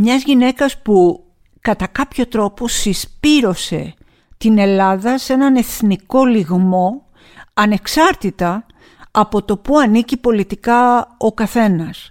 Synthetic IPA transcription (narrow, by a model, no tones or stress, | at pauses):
mɲɐzʝine̞kɐspu | kɐt̪ɐkɐpço̞t̪ɾo̞po̞sispiɾo̞se̞ | t̪ine̞lɐðɐse̞nɐne̞θniko̞liɣmo̞ | ɐne̞ksɐɾt̪it̪ɐː | po̞t̪o̞puɐnicipo̞lit̪ikɐo̞kɐθe̞nɐs